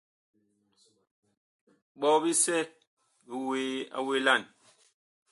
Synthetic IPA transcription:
ɓɔ˦bi˦sɛ˦ | bi˨we˨a̰˨we˨la˦˨n

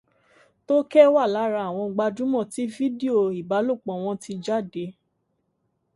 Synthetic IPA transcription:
to˦kɛ˦wa˦˨la˨˦ɾa˧˨w̃ɔ̃˧ɡ͡ba˧d͡ʒũ˨˦mɔ̃˦˨ti˨˦fi˦di˦o˦˨i˨ba˨˦lo˦˨k͡pɔ̃˨w̃ɔ̃˧ti˧d͡ʒa˦˨de˨˦

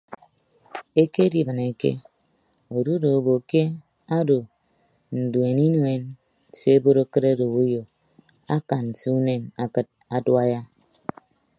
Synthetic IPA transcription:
e˦ke˦di˨bɨ˨ne˨kḛ˦ | o˨ɾu˦do˨o˨bo˨ke˦ | a˦do˨ | n̩˨de˨ni˦nwe˨n | se˦bo˦ɾo˦kɨ˦ɾe˦do˨wu˦jo˨ | a˦ka˨n˨se˦u˦ne˦na˨kɨ˦t̚a˨dwa˦ja˦

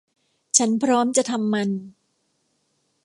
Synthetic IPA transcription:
t͡ɕʰa˦˥npʰɾɔː˦˥mt͡ɕa˨ʔt̪ʰa˧mːa˧n

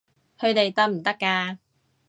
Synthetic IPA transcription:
hɵ˧ɥt̪e˨jt̪ɐ˥k̚m̩˨˩t̪ɐ˥kːaː˧

